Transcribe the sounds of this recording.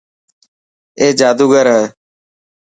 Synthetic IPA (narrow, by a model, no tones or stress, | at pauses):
eːd͡ʒaːd̪uːɡəɾɦɛː